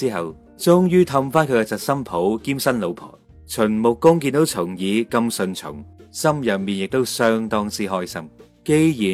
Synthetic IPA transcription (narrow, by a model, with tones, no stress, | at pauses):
iː˥ɦɐ˨w | t͡sʊ˥ŋjyː˥t̪ʰɐ˧mfaː˥nkʰɵ˨˧ɥkɛ˧t͡sɐ˨t̚sɐ˥mpʰo˨˥wkiː˥msɐ˥nlo˨˧wpʰɔ̰ː˨˩ | t͡ʃʰɵ˨˩nmʊ˨kːʊ˥ŋkiː˧nt̪o˨˥wt͡sʰʊ˨˩ŋjiː˨˧kɐ˧msɵ˧nt͡ʃʰʊ̰˨˩ŋsɐ˥mjɐ˨miː˨njɪ˨k̚t̪o˥wsœː˥ŋt̪ɔː˥ŋt͡siː˥ɦɔː˥jsɐ̰˥m | ke˥jjiː˨